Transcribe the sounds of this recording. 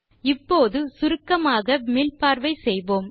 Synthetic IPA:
ɪpːoːðɯsʊɾɯkːɐmaːɣɐmɪlpaːɾʋɐɪsɛjʋoːm

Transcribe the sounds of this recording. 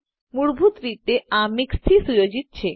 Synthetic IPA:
muɾbʱut̪ɾit̪eamikst̪ʰisujod͡ʑit̪ːt͡ɕʰe

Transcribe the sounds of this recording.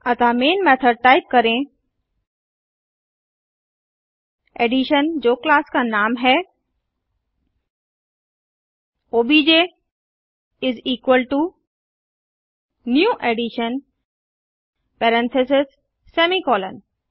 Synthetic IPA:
ɐt̪amẽːnmɛt̪ʰəɾʈaːɪp̚kɐɾẽ | eɖiʃənd͡ʒoːklaːskanaːmɦɛ | oːbid͡ʒe | ɪziːkwəlʈu | njuːʔeɖiʃən | pɛɾə̃nt̪ʰɛsɪsː | eːmikɔːlə̰n

